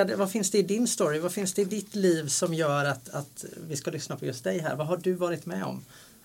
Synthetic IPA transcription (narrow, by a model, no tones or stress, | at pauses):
d̪ɛvafɪnsd̪ɛɪd̪ɪnst̪ɔɾɪvafɪnsd̪ɛɪd̪ɪt̪liːvsɔmjœːɾat̪at̪vɪskalʏsnapʰɔjɵst̪̚d̪ɛjɦæ̰ːɾvaɦaɖɵvɑːɾɪt̪mɛɔ̰m